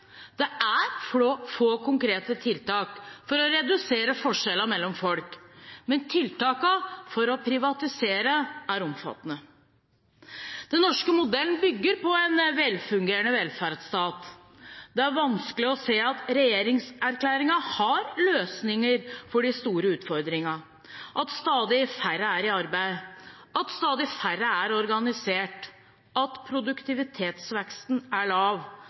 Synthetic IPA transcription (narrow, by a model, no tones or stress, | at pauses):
d̪̥ɛæɾfofoːkʰʊŋkɾeːt̪ət̪ʰɪlt̪ɑːkfɔɾɔɾɛd̪ʉseːɾəfɔʂɛlːəmɛlːɔmfɔlkmɛnt̪ʰɪlt̪ɑːkɑfɔɾɔpʰɾɪʋɑt̪ɪseːɾəæɾɔmfɑ̰t̪ːənə | d̪̥ɛnːɔʂkəmʊd̪ɛln̩bʏɡːəɾpɔɛnʋɛlfʉŋɡeːɾəɳəʋɛlfæɾd̪st̪ɑːt̪ | d̪̥ɛæɾʋɑnskəlɪɔseːɑt̪ɾɛjeːɾɪŋsæɾkʰlæːɾɪŋɑhɑɾløːsnɪŋəɾfɔɖɪst̪uːɾəʉːt̪fɔɾd̪ɾɪŋɑ | ʔɑt̪st̪ɑːd̪ɪɪfæɾəæɾɪɑɾbæɪ | ɑt̪st̪ɑːd̪ɪfæɾəæɾɔɾɡɑnɪseːʈ | ɑt̪pʰɾʊd̪ʉkt̪ʰɪʋɪt̪ʰeːt̪sʋɛkst̪næɭɑːʋ